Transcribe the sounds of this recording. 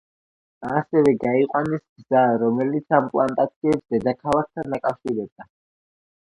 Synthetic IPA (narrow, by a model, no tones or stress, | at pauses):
sɛvɛɡaiqʼwanisɡzaɾɔmɛlit̪sʰamkʼlˠant̪ʼat̪sʰiɛpsd̪ɛd̪akʰalˠak̚ʰt̪ʰanːakʼafʃiɾɛb̚d̪a